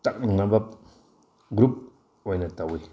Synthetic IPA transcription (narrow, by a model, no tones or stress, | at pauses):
tak̚niŋnabap̚ | ɡɾup̚ | wanatawi